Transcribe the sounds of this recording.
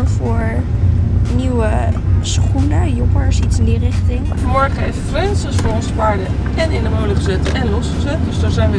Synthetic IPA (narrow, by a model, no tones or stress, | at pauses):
fʊːɹ | niwəsχunəjɔpəɹsitsɪndirɪχtɪŋfəmɔɹχəevəfrɛnsəsfʊːɹɔnsəpaːɹdə | ɛnɪndəmowləχəzɛtɛnlɔsχəzɛt̚døzdaːɹzɛjnʋə